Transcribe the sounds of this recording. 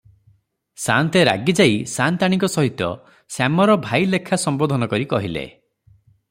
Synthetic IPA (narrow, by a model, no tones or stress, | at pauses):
sant̪eɾa̰ɡid͡ʒaisant̪aɽ̃iŋkɔsɔɦit̪ɔ̰ | samɔɾɔbʱajlekʰasɔmbod̪ʱɔnɔkɔɾikɔɦilḛ